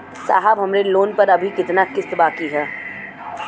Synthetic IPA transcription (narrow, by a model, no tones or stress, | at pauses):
sa̰ːɦabɦɐmɾeloːnpɐɾɐbʱikɪt̪nakɪst̪baːkiɦɛː